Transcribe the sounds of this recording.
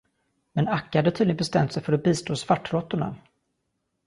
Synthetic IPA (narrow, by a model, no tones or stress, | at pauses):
mɛnakːhad̪ət̪ʰiːd̪ɪəbɛst̪ɛmt̪sɛjfœɾɔbiːst̪ʰoːsvaʈːɾɔt̪ːʊɳa̰